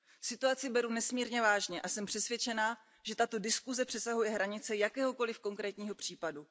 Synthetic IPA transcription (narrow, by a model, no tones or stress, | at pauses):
sɪt̪uat͡sɪbɛɾunɛsmiːɾɲɛvaːʒɲɛʔasɛmpr̝̥ɛsvjɛt͡ʃɛnaː | ʒ̥ɛt̪at̪o̞dɪskuzɛpr̝̥ɛsaɦujɛɦɾaɲɪt͡sɛjakɛːɦo̞ko̞lɪfko̞ŋkɾɛːt̪ɲiːɦopr̝̥iːpadu